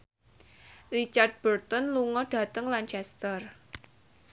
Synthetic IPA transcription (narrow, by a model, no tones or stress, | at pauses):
rit͡ʃard̪̚b̥ərt̪ɔnluŋɔɖ̥ä̤t̪əŋlant͡ʃɛst̪ər